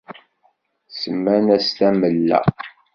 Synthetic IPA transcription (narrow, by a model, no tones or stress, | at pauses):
səmːænæst̪æməlːæ̰